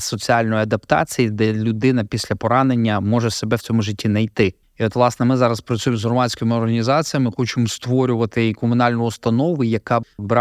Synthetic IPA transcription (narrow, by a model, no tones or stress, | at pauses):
sɔt͡sʲialʲnɔjɐd̪ɐpt̪ɑ̰t͡sʲijid̪ɛlʲʊd̪ɪnɐpʲisʲlʲɐpɔɾɑne̞nʲːɐmɔʒɛse̞bɛwt͡sʲɔmʊʒɪtʲːinɐjt̪ɪ | iɔt̪ʋlˠɑsnɛmɪzɑɾɐspɾɐt͡sʲujɪmzɦrɔmɑsʲkɔjmɪɔrɦɐnʲizɑt͡sʲijɐmɪxɔt͡ʃɪmɔst̪ʋɔɾʲʊʋɐt̪ɪkɔmʊnɑlʲnʊjʊst̪ɐnɔʋʊjɐkɑbɾɑ